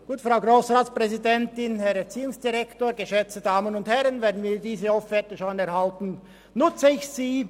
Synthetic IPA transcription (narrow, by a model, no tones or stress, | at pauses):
ɡ̥uːtfʁaʊɡʁoːsʁaːtspʁ̥ɛzidɛntɪnhɛʁɛɐt͡siːʊŋsd̥iʁɛktoːɐɡəʃɛt͡stədaːmənʊnthɛʁənveːɐdn̩viːdiːzəoffɛtəʃoːnɛɐhaltn̩ | nʊt͡səɪçsiː